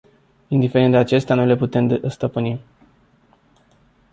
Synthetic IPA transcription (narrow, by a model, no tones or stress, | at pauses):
ind̪ife̞ɾend̪eat͡ʃe̞st̪eanule̞put̪e̞md̪st̪əpɨni